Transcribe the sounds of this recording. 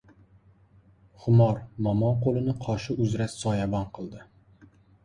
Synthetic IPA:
χʊmɒɾmɒmɒnqolˠɪnɪqʰɒʃɪʔʊzɾassɒjabɒnqʰɨlˠd̪ɪ

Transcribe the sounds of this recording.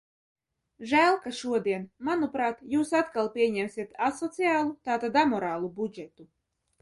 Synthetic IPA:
ʒæːlˠkaʃuɔd̪iɛnmanupɾaːt̪juːsat̪kalˠpʲiɛɲɛmsʲiɛt̪asɔt̪sijaːlˠut̪aːt̪ad̪amɔɾaːlˠubud͡ʒɛt̪u

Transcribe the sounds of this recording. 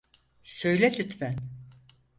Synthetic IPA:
sø̞jlʲɛlʰyt̪fæn

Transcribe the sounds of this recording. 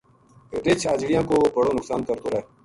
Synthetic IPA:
ɾet͡ʃʰaːd͡ʒɽijãːkoːbʱəɽoːnʊksaːnkəɾt̪oːɾɛː

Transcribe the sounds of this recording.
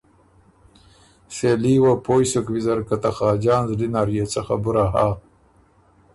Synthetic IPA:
seliːwapʰoːjsokwizɐɾkat̪ɐxɑːd͡ʒaːnzlinaːɾijet͡sɐxa̰buɾaɦaː

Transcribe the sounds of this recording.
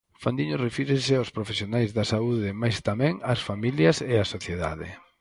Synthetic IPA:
fand̪iɲorefiɾɪsɪawspɾofesjonajzðɐsauðɪmajst̪amɛ̃ŋɐsfamiljɐseasoθjeða̰ðɪ̰

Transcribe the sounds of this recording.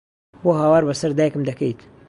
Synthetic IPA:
boɦaːwaːɾbɐsɐɾd̪aːjəkɨmd̪ɐkɐjt̪

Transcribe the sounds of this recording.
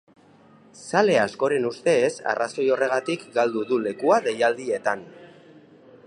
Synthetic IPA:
sale̞asko̞ɾe̞nust̪e̞ːsa̰rʔaso̞jo̞re̞ɣ̞at̪ikɡald̪uðule̞kuaðe̞jald̪ie̞t̪an

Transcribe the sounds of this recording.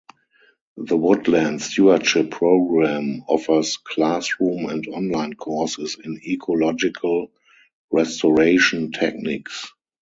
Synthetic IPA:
ðəwʊdlæ̃ntstjuətʃɪpʰːɹoʊɡɹæ̃mɔfə˞skʰlasɹũːmɛ̃ntɔ̃nlãɪ̃nkʰɔɹsɪsɪ̃nikʰɔlɔd͡ʒɪkʰəl | ɹɛstɔɹeɪʃə̃ntʰɛ̰k̚nɪks

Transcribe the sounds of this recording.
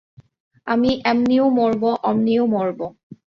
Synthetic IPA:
amiʔɛmniomoɹboʔɔmniomɔɹbo

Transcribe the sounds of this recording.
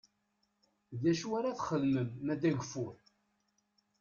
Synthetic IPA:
ðæʃuwaɾaθχəlməmːæd̪æʝəfʊɾ

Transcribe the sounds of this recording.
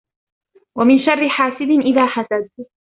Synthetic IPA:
wamɪnʃarːɪħaːsɪd̪ɪnʔɪðaːħasad̪̚

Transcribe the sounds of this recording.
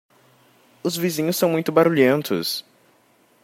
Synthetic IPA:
ʊzvizĩɲʊsɐ̃w̃mũj̃t̪ʊbaɾuʎẽnt̪ʊ̰s

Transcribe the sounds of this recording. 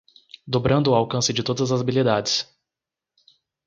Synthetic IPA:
d̪obɾɐ̃nd̪ʊːawkɐ̃sɪd͡ʒɪt̪od̪ɐzɐzabilid̪ad͡ʒɪs

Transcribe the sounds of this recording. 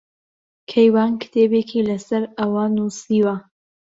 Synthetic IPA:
kʰɐjwaːnkɨ̥t̪ʰeːbeːkʰilɐsɐɾɐwaːnusiwa

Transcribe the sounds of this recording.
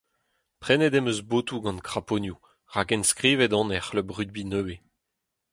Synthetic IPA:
pχɛnɛd̪ɛmøzboːt̪uɡɑ̃nkʁaponju | ʁakɛnskʁiːvɛd̪ɔ̃nɛχləbʁyd̪̚binøwe

